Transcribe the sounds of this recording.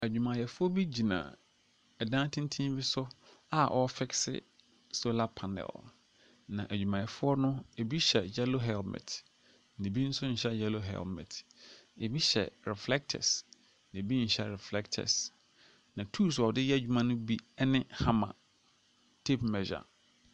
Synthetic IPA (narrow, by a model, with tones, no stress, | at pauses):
æ˨d͡ʑᶣu˨mã˨jɛ˨fʊ˦ɔ˦bi˦d͡ʑi˨nã̰˨ | ɛ˨dãː˦tʰɪ̃˦n˦tʰĩ˦bi˦sʊ˦a˦ʔɔ˦fɪ˦ksɪ̰˦ | so˦la˦pʰã˨nɛ̰˨l | nã˨ʔæ˨d͡ʑᶣu˨mã˨jɛ˨fʊ˦ɔ˦nʊ̃˦e˨bi˦ɕɛ˨d͡ʑɛ˦lo˦ɦɛ˦lmɪ̰˨t | n˨ẽ˨bi˦n̩˦sʊ˦ɲ̩˨ɕɛ˦d͡ʑɛ˦lo˦ɦɛ̰˨lmɪ̰̃˨tʰe˨bi˦ɕɛ̰˨ɾɛ˨flɛ˦k̚tʰɛ̰˨s | nã˨bi˦ɲ̩˨ɕɛ̰˦ɾɛ˨flɛ˦ktʰɛ̰˨s | nã˨tʰuː˦s̬ɔ˨dɪ˦jɛ˦æ˨d͡ʑᶣu˦mã˦nʊ̃˦bi˦ɛ˦nɪ̃˦hã˦mã̰˨ | tʰe˦pmɛ˨d͡ʑa̰˨